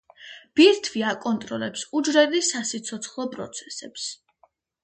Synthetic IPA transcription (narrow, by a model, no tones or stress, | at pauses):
b̥iɾt̪ʰviakʼɔnt̪ʼɾɔlɛpsud͡ʒɾɛɾisasit̪sʰɔt̪sʰχlˠɔpʼɾɔ̰t̪sʰɛ̥sɛps